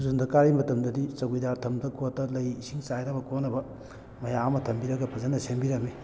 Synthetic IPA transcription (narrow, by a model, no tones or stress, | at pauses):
zundɐkaɾimɐtɐmdɐdit͡ʃɐɡijdaɾtʰɐmdɐkotːɐlɐjisiŋt͡ʃajɾɐbɐkonɐbɐ | mɐjamɐtʰɐmbiɾɐɡɐpʰɐzɐnɐsembiɾɐme